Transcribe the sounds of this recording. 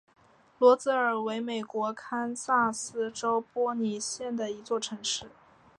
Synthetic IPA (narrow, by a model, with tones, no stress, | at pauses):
lwɔ˧˥t͡sɹ̩˥ə˞˨˩we˧˥ɪme˨˩ɪkwɔ˧˥kʰa˥nsa˥˩sɹ̩˥ʈ͡ʂo˥ʊpwɔ˥ni˧˥ɕjɛ˥˩nd̪ə˩i˧˥t͡swɔ˥˩ʈ͡ʂʰɤ˧˥ŋʂɻ̩˥˩